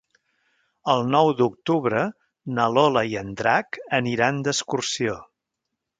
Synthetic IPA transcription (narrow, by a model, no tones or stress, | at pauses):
əlˠnɔwd̪uk̚t̪uβɾə | nəlɔləiənd̪ɾakəniɾand̪əskursio